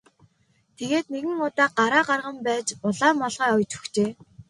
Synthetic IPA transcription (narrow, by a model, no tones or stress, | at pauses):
t̪ʰeɣeːt̪neɣɘ̆ŋʊt̪aːɢaɾaːɢarʁə̆mpæːt͡ɕʊɮaːmɔɮʁɔːɔjt͡ɕɵ̥xt͡ɕeː